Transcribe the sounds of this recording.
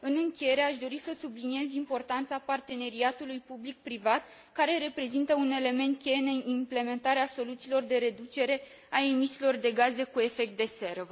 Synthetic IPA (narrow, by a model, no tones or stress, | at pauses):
ɨnɨŋkʲeje̞ɾeaʃd̪o̞ɾisəsublinie̞zimpo̞rt̪ant̪sapart̪e̞ne̞ɾiat̪ulujpublik̚pɾivat̪̚ | kaɾe̞ɾe̞pɾe̞zint̪əune̞le̞me̞nt̪̚kʲejeneimple̞me̞nt̪aɾeaso̞lut̪siːlo̞rd̪e̞ɾe̞d̪ut͡ʃe̞ɾe̞ | ae̞misilo̞rd̪e̞ɡaze̞kue̞fe̞k̚t̪̚d̪e̞se̞ɾə